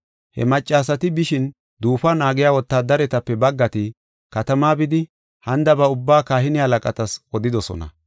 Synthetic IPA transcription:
hɛ̰mɐt͡ʃʼːaːsɐt̪ɪbɪʃɪn | d̪uːfɐnaːɡɪjaːwɔt̪ːaːd̪ɐɾɛt̪ɐpːɛbɐɡːɐt̪ɪ | kɐt̪ɐmaːbɪd̪ɪ | hɐnd̪ɐbɐʊbːaːkaːhɪnɪhɐlɐkʼɐt̪ɐsɔd̪ɪd̪ɔsɔ̰nɐ̰

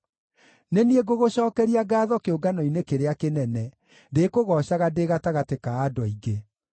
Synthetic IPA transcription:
nenieɡoɣoɕɔːkɛɾiaɡaːðɔkeoɡanɔinekeɾeakenɛnɛ | dekoɣɔːɕaɣadeɣataɣatekaːdɔiɡe

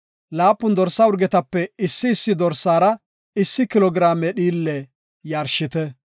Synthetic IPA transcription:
laːpːʊnd̪ɔɾsːɐʊɾɡɛt̪ɐpːɛɪsːɪːsːɪd̪ɔɾsːaːɾɐ | ɪsːɪkɪlɔɡɾaːmɛɗiːlːɛ | jaːɾʃɪt̪ɛ

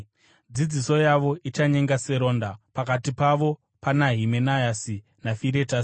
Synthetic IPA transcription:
d͡zid͡ziso̞jaʋo̞ʔit͡ʃaɲe̞ŋɡase̞ɾo̞ːndapakatipaʋo̞ | panaɦimenajasi | nafiɾe̞tasi̥

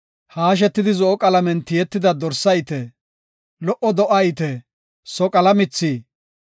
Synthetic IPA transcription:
haːʃ̬ɛt̪ːɪd̪ɪzɔʔɔkʼɐlɐmɛnt̪ɪjɛt̪ːɪd̪ɐd̪ɔɾsɐjt̪ɛ | lɔʔɔd̪ɔʔɐjt̪ɛ | sɔkʼɐlɐmɪt͡sːi

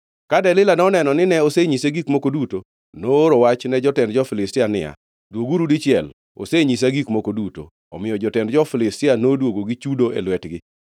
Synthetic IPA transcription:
kadɛlɪlanɔnɛnɔnɪnɛoseɲiseɡikmokoduto | noɾowat͡ʃnɛd͡ʒɔtɛndd͡ʒɔfɪlɪstɪanɪ̰ja̰ | dwoɡuɾudit͡ʃɪɛl | o̰seɲis̬aɡikmokoduto̰ːmɪjɔd͡ʒɔtɛndd͡ʒɔfɪlɪstɪanodwoɡoɡit͡ʃudoḛlwɛtɡɪ

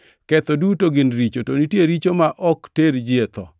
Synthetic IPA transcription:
kɛt̪odutoɡɪnɾit͡ʃotonitjeɾit͡ʃomaʔɔkteɾd͡ʒɪet̪ɔ̰

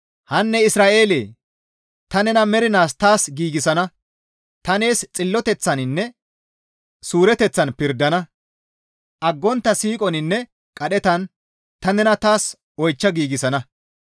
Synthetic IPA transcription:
hɐnːɛɪsɾaːʔe̞ːlḛː | t̪ɐnɛnɐmɛɾɪnaːst̪aːsɡiːɡɪsɐnɐ | t̪ɐne̞ːst͡sʼɪlːɔt̪ɛt͡sːɐnɪnːɛ | suːɾɛt̪ɛt͡sːɐnpɪɾd̪ɐnɐ | ʔɐɡːɔnt̪ːɐsiːkʼɔnɪnːɛ | kʼɐɗɛt̪ɐn | t̪ɐnɛnɐt̪aːs | ɔjt͡ʃːɐɡiːɡɪsɐnɐ

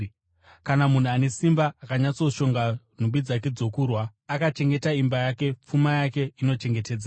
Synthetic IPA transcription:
kanamun̤uane̞simbaakaɲat͡so̞ʃo̞ŋɡa | n̤umbid͡zak̬e̞d͡zo̞kurwaːkat͡ʃe̞ŋɡe̞taimbajake̞p͡fumajake̞ino̞t͡ʃe̞ŋɡe̞te̞ːd͡za

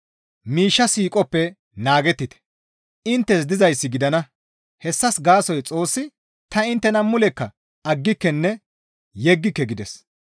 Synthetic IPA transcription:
miːʃːɐsiːkʼɔpːɛ | naːɡɛt̪ːɪt̪ɛ̥ | ɪnt̪ːɛsd̪ɪzɐjsːɪɡɪd̪ɐnɐ | hɛsːɐsɡaːsɔjt͡sʼo̞ːsːɪ | t̪ɐɪnt̪ːɛnɐmːʊlɛkːɐ | ɐɡːɪkːɛnːɛ | jɛɡːɪkːɛɡɪd̪ɛs

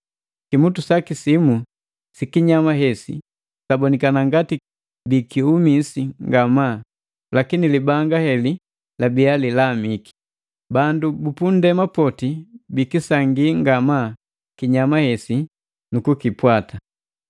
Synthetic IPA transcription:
kimutusakisimu | sikiɲamaɦɛsḭ | sabɔnikanaŋɡati | bikiumisiŋɡama | lakinilibaŋɡahɛli | labialilamiki̥ | bandubupundɛmapɔtibikisaŋɡiŋɡama | kiɲamahɛsi | nukukipwata

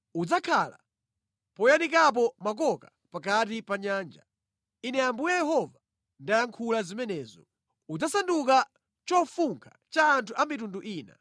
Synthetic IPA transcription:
ud͡zakʰala̰ | pɔjanikap̬ɔmak̬ɔka | pakat̬ipaɲaːnd͡ʒa̰ | inɛambujajɛɦɔva | ndajaŋkʰulazimɛnɛːzɔ̰ | ud͡zasanduka | t͡ʃɔfuŋkʰḁ | t͡ʃaːntʰuʔamitunduʔiːna̰

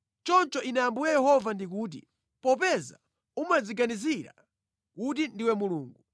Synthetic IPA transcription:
t͡ʃɔnt͡ʃɔʔinajambujajɛɦɔvandik̬uːt̬ḭ | pɔpɛza̰ | umad͡ziɡaniziɾa̰ | kut̬indiwɛmuluːŋɡu

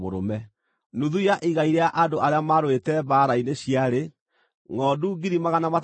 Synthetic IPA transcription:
o̰ɾo̰mɛ | nuðuiaʔiɣaiɾeaʔadoʔaɾeamaɾwetɛβaːɾaineɕiaɾe | ŋɔːduɡiɾimaɣanamat

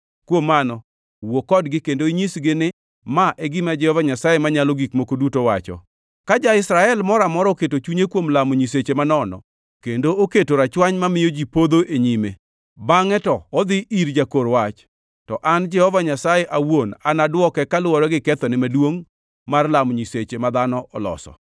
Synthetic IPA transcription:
kwomːanɔ | wokɔdɡɪkendoiɲisɡɪnɪ | maʔɛɡɪmad͡ʒɛhɔvaɲasajɛmaɲalɔɡikmokodutowat͡ʃɔ̰ | kad͡ʒaɪsɾaɛlmɔɾamɔɾɔketot͡ʃuɲekwomlamoɲis̬et͡ʃemanɔnɔ̰ | kendooketoɾat͡ʃwaɲmamɪjod͡ʒipod̪oʔeɲime | baŋɛtɔːd̪ɪʔiɾd͡ʒakoɾwat͡ʃ | tɔʔand͡ʒɛhɔvaɲasajeʔawona̰nadwɔkɛkalɔɾɔɡɪkɛt̪ɔnɪmadwoŋ | marlamɲiset͡ʃemad̪anɔʔɔlɔ̰sɔ̰

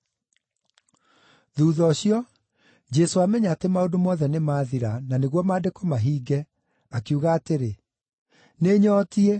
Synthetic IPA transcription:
ðuːðɔɕjɔ | d͡ʒɛsoamɛɲaːtemaodomɔðɛnemaːðiɾananeɣwɔmaːdekomaɦiːɡɛ | akiuɣaːteɾe | neɲɔːtie

